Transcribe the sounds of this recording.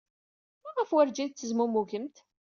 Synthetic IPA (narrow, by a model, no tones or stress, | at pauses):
mæʁəfwæɾd͡ʒæðt͡s̪ːəzmumuʝəmt̪